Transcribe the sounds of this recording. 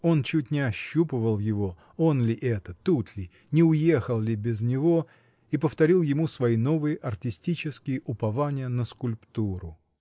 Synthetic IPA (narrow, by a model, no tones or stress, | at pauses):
o̞nt͡ɕut̚ʲnʲɪɐɕːupɨvəlˠjɪvo̞ | o̞nlʲɪʔɛt̪ət̪ut̪lʲɪ | nʲɪʊje̞xəlˠlʲɪbʲɪznʲɪvo̞ | ipəft̪ɐɾʲilˠjɪmusvɐino̞vɨjɪʔɐrtʲɪsʲtʲit͡ɕɪskʲɪjɪʔʊpɐvanʲɪjənəskʊlʲpt̪uɾʊ